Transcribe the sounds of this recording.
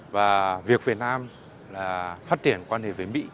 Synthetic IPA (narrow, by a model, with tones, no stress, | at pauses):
vaː˨˩vi˨˩ək̚vi˨˩ət̚naː˧m | laː˨˩faː˦˥t̚t͡ɕi˧˩ənkwaː˧nhe˨˩ve˨˦mḭ˧˥